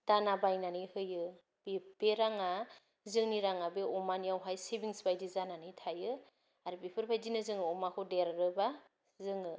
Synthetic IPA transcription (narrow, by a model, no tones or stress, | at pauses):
d̥anabajnanɯjhɯjɯ | b̥eb̥eɾaŋa | zɯŋniɾaŋabeɔmanijawɦajsebiŋspajdizananɯjtʰajɯ | aɾɯbepʰɯɾpʰajzinɯzɯŋɯɔmakʰɔdeɾaɾɯba | zɯŋɯ